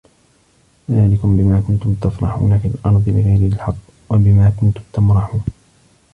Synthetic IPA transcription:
naːlɪkʊmbɪmaːkʊnt̪ʊmt̪afɾˤɑ̰ħṵːnafɪlʔɑnd̪ˤɨlɪɣajɾɪɪlħɑqː | wabɪmaːkʊnt̪ʊmt̪amɾɑħuːn

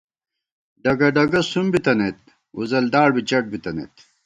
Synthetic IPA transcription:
ɖɐɡɐɖɐɡɐsumbit̪ɐnet̪̚ | uzɐld̪aːɽbit͡ɕɐʈ̚bit̪ɐnḛt̪

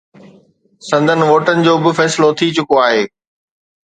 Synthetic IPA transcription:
sɐ̃nd̪ʱənɪ̆ʋoːʈənɪ̆d͡ʑoːbɪfɛːsɪlot̪ʰit͡ɕʊkoaːɦeː

